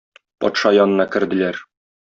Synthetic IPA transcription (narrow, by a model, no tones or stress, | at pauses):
pɒ̰t̪ʃɑjɒnɤ̆nɑkɘ̆ɾd̪ɘ̆læɾ